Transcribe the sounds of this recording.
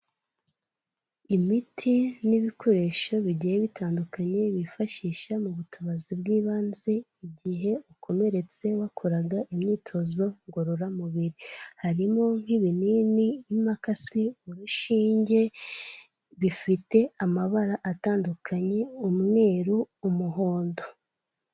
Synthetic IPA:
imitʰiniβikʰo̞ɾe̞ːʃo̞βiɟijeβitʰaːndukaɲe̞βifaʃiːʃamuβutʰaβazib̚ɡiːβaːnze | iɟiɦe̞ukʰo̞me̞ɾe̞t͡se̞wakʰoɾaɡaʔimɲiːtʰo̞zo̞ŋɡoɾoɾamuβiɾihaɾimo̞ŋ̥hiβininiːmakasiuɾuʃiːɲɟe̞ | βifite̞amaβaɾaʔataːndukʰaɲe̞umŋe̞ːɾuː | muɦo̞ːndo̞

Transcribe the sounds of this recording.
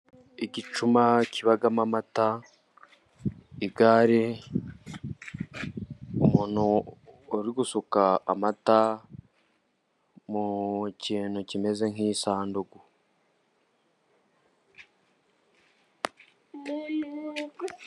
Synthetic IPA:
iɟit͡ʃumaciβaɡamamata | iɡaɾe | umuːn̥uː | ɾiɡusuka̰ːmata | muciːnocime̞ze̞ŋiːsaːndoɡu

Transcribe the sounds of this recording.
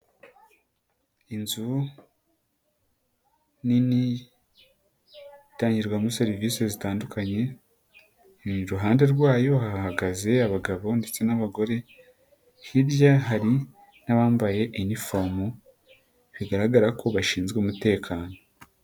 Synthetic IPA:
inzu | nini | taːɲɟiɾɡwamuse̞ɾiviːse̞zitaːndukaɲe̞ | ɾuɦaːnde̞ɾɡwaːjo̞hahhaɡaze̞aβaɡaβo̞nde̞t͡se̞naβaɡo̞ɾe̞ | hiɾjaɦaɾi | naβaːmbaje̞ʔinifomu | βiɡaɾaɡaɾakʰo̞βaʃiːnzɡeumute̞ːkʰaːno̞

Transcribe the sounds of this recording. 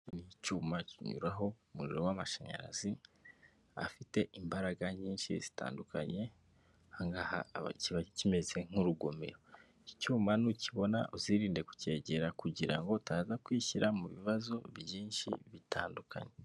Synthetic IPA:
nicuːmaciɲṵɾaɦo̞muɾiɾo̞wamaʃaɲa̰ɾa̰zi | a̰fite̞ʔimbaɾaɡaɲiːnʃḭz̥i̥ta̰ːnduka̰ɲe̞ | haŋɡaha̰ciβacime̞ze̞ŋ̥uɾuɡo̞me̞̰ɾo̞ | icuːmanuciβo̞na̰ʔuziɾiːnde̞ku̥ce̞ːɟe̞ɾakuɟiɾa̰ŋɡo̞taːzakwiːçiɾʔamuβiβazo̞βjiːnʃḭβitʰaːndukʰa̰ɲe̞

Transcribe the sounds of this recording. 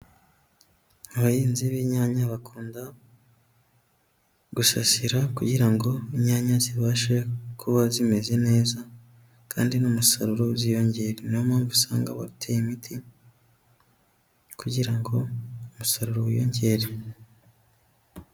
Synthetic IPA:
aβajiːnziβiɲaːɲaβakʰuːnda | ɡ̥usasiɾakuɟiɾaŋɡo̞iɲaːɲaziβaːʃekʰuβazime̞ze̞ne̞ːza | kʰa̰ːndinumusa̰ɾuɾozijo̞ɲɟe̞ɾenomaɱvusa̰ːŋɡa̰βa̰itʰejimitʰi | kuɟiɾaŋɡo̞umusaɾuɾoβujo̞̰ːɲɟe̞ɾe

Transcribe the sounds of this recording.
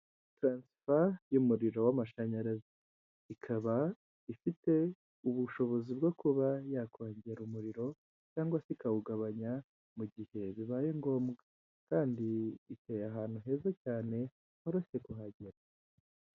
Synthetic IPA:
tɾaːnsi̥fajumuɾiɾo̞wamaʃaɲaɾezi | ikʰaβa | ifite̞ | uβuʃo̞βo̞zibɡo̞kuβajakʰoːɲɟeɾumuɾiɾo̞ | caːŋɡwasikawuɡaβaɲa | muɟihe̞βiβajeŋɡo̞ːmɡa | kaːndiːte̞ːjaɦaːn̥uɦe̞zacaːne̞ | hoɾose̞kuɦaɟeɾa

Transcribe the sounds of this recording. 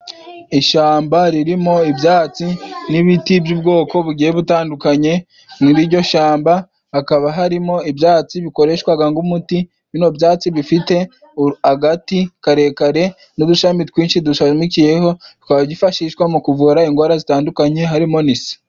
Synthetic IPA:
iʃaːmbaɾiɾimo̞ibjaːt͡siniβitibjub̚ɡo̞ːko̞βuɡiːjeβutaːndukaɲe̞ | muɾiɾɟo̞ʃaːmba | hakaβaɦaɾimo̞ibjaːt͡siβiko̞ɾe̞ʃwaɡaŋɡumuti | βino̞bjaːt͡siβifite̞ | aɡatikaɾe̞kaɾe̞ | nuduʃamitkwiːnʃiduʃamicije̞ho̞tu̥kaβaɟifaʃiːʃwamukuvuɾaiŋɡwaːɾazitaːndukaɲe̞ɦaɾimo̞nisi̥

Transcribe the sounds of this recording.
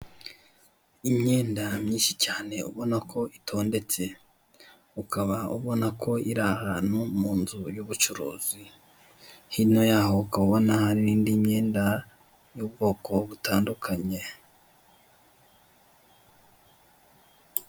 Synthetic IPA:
imɲe̞ːndamɲiːnʃicaːne̞ṵβo̞nakʰo̞itʰo̞ːnde̞t͡se̞ | ukʰaβauβo̞nakʰo̞iɾahanhumuːnzujuβut͡ʃuɾo̰ːzi | hino̞jahokaβo̞nahaɾiɾiːndimɲe̞ːnda | jubɡo̞ːko̞βutaːndukʰaɲe̞

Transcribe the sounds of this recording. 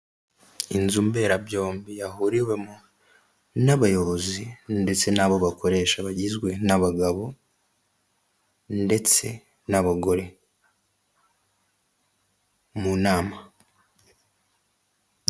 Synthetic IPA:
inzumbe̞ɾabɟo̞ːmbijahuɾiɾwe̞mu | naβajo̞βo̞zinde̞t͡se̞naβo̞βako̞ɾe̞ːʃaβaɟizɡwe̞naβaɡaβo̞ | nde̞t͡se̞̰ | naβaɡo̞ɾe̞ | munaːma

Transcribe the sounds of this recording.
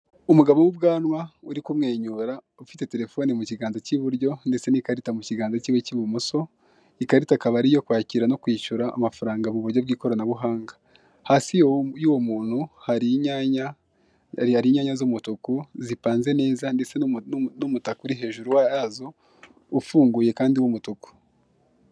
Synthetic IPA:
umuɡaβowub̚ɡaːnwauɾikumŋe̞ːɲuɾa | ufite̞te̞ɾe̞fo̞nimuciɡaːnzaciβuɾɟo̞nde̞t͡se̞nikaɾitamuciɡaːnzaciːweciβumuso̞ | ikaɾitakaβaɾijo̞kwaːciɾano̞kwiːʃuɾa̰ːmafaɾaːŋɡaβuβuɾɟobɡiːko̞ɾanaβuɦaːŋɡa | haːsijojuːwo̞muːn̥huhaɾiɲaɲa | aɾiːɲaːɲazumutukuzipaːnze̞ne̞ːzandet͡senumutakuɾiɦe̞ːʒuɾuwajazoː | fuːŋɡuːje̞kaːndiwumutuku̥

